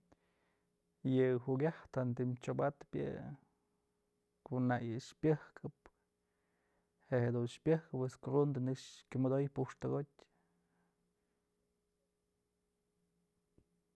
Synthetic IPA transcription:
jɨhuɡʲaht̪ant̪̬imt͡ʃobat̪pjɨ̰ | kunajɨʂpʲɨhkʰɨp̚ | heʔhed̪unʃpʲjɨhkɨpeskrund̪ɨnɨkʂkʲumɨd̪ojpuʂt̪ɨɡot̚ʲ

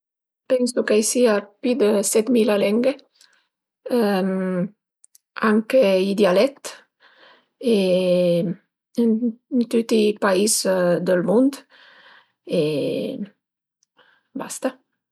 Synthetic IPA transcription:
pɛnsukajsiapyd̪əsɛt̪milalɛŋɡe | aŋkeid̪jalɛt̪ | e | ennt̪ut̪ipaizd̪əlmund̪ | e | bast̪a

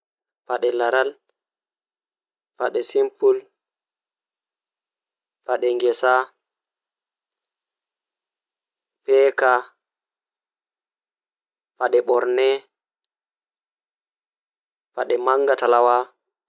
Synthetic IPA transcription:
paɗɛlaɾal | paɗɛsimpul | paɗɛŋɡɛsa | pɛːka | paɗɛɓɔɾnɛ | paɗɛmaŋɡatalawa

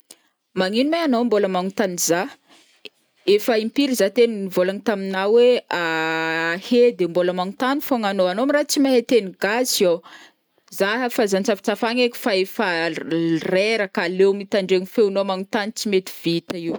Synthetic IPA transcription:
maŋinumaanomboləmaŋut̪aniza | efəimpiɾizat̪eniivolaŋit̪aminawea | hed̪emboləmaŋut̪anifoŋanoanoamirat͡simaɦet̪eniɡazio | zaɦəfazant͡safi̥t͡safaŋeki̥faefə | reɾəkalewmit̪aɳɖ͡ʐeŋifenomaŋut̪anit͡simet̪i̥v̥it̪əiw

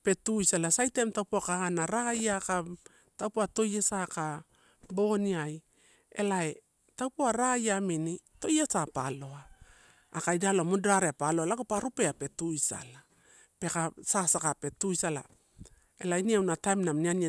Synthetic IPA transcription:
pe̞tuisalasajte̞mtawpoakahanaɾaɡajaka | tawpoato̞jasaka | bo̞niaj | ḛlae | tawpoaɾaajaminito̞jasapalo̞aː | kajdaloamudɾaɾeapaloalaɡopaɾupeape̞tuisa̰la | pe̞kasasakape̞tujsala̰ | elainiawnatajmnamniania

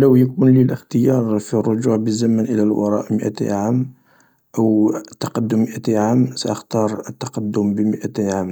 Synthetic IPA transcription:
ləwjəkʊnliləxt̪əjɑɾˤfirˤːʊʒuʕbəzːæmənʔəlælwɑ̰ɾˤɑ̰ʔməʔæ̰t̪ḭʕam | ʔəwt̪ːɑqɑd̪ːʊmːəʔæt̪iʕamsæ̰ʔəxt̪ɑɾˤət̪ːɑ̥qɑd̪ːʊmbəməʔæt̪iʕam

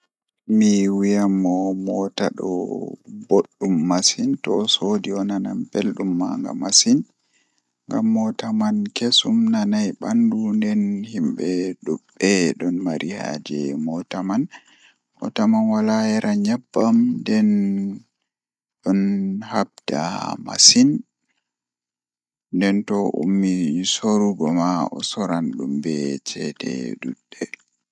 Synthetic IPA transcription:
miwijamːɔmɔta̰ɗɔ̰boɗːumːasintɔsodiɔnana̰mpelɗumːa̰ŋɡa̰masin | ŋɡamːɔtamankesumnanajɓandundɛnhimɓɛɗuɓːɛɗɔnmaɾiha̰d͡ʒɛmɔtaman | mɔ̰tamanwalajɛɾʔaɲabːamndɛn | ɗɔnhabd̥a̰ma̰sin | ndɛntɔʔṵmːisoɾuɡɔmaɔ̰sɔɾanɗumbɛt͡ʃɛtʰɛ̰ɗuɗːɛ

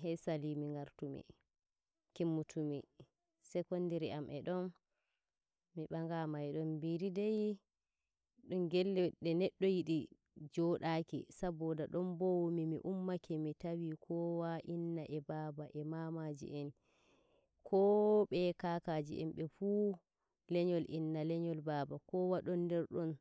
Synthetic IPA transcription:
ɦɛsalimiŋɡaɾtumḭ | kimːutʰumi | sɛkɔndiɾiamʔɛɗɔn | iɓaŋɡamajɗɔmbiɾidej | ɗumɡɛlːɛɗɛnɛɗːɔjiɗi | d͡ʒɔɗakḭsabɔdaɗɔmbowmimḭʔumːakʰɛmitawikʰɔwaʔinːaʔɛbaːbaʔɛmamad͡ʒḭʔɛn | kʰɔɓɛkakad͡ʒḭʔɛ̰mɓɛfu | lɛɲɔlʔḭnːalɛɲɔlbaːbakɔwaɗɔndɛɾɗɔn

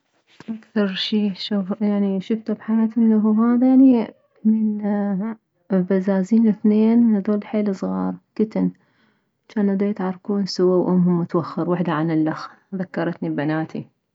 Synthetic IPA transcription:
ʔakθɑɾˤʃiːʃufjaʕniʃʊft̪abħajaːt̪hɪnːaɦuhaːðajaʕni | mɪn | bazaːziːnɪθneːnhaðoːlħeːlsˤɣɑːɾˤkɪt̪ɪn | at͡ʃaːnʔad̪eːt̪ʕɑrˤkuːnsʊwawʔʊmːhʊmːʊt̪waxːɑɾwɪħd̪aʕanɪlːax | ðakːɑɾˤɑt̪nibanaːt̪ḭ

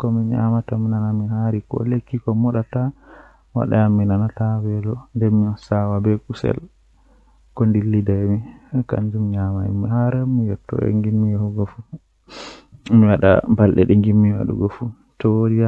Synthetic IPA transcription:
kɔmiɲa̰mataminanamiɦaɾikɔ̰lekːikɔmɔɗata | wa̰ɗa̰amːinanatawɛlɔndɛmiɔsawabɛkusɛ̰l | kɔndilːidamikand͡ʒumɲamaɛ̰mihaɾamijɔtːɔ̰ɛ̰ŋɡinːijɔhuɡɔfu | miwaɗa̰balɗɛɗɛŋɡimːiwa̰ɗṵɡɔfu | tɔwodia

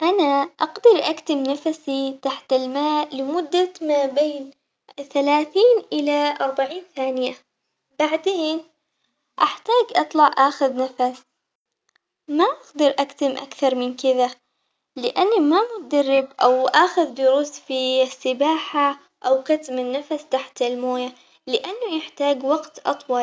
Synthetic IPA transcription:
ʔanaʔɑɡd̪ɑɾˤʔakt̪ɪmnafsit̪aħt̪ɪlmaːʔlɪmʊd̪ːamaːbeːn | θalaːθiːnʔɪlaʔɑɾˤbaʕiːnθaːnɪja | baʕd̪eːn | ʔaħt̪aːɡʔɑt̪ˤlɑʕʔaːxʊðnafas | maʔaɡd̪ɪɾʔakt̪ɪmʔa̰kθɑɾˤmɪnkɪða | lɪʔanːamamʊt̪ad̪arːɪbʔawʔaːxʊðd̪ʊɾuːsfisːɪbaːħa | ʔawkat̪mɪnːafast̪aħt̪ɪlmoːja | lɪʔanːʊjɪħt̪aːɡwaɡt̪ʔɑ̰t̪ˤwɑl

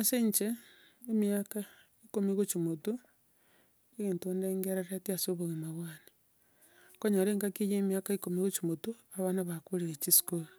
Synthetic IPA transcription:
aseɲt͡ʃeː | miaka | ikomiɣot͡ʃumotu | eɣeːntondeŋɡeɾaɾatiasoβoɣemaβwaːni̥ | koɲoɾeːŋɡakijeːmiakaikomiɣot͡ʃumotuaβanaβakuɾeɾet͡ʃisi̥koɾa

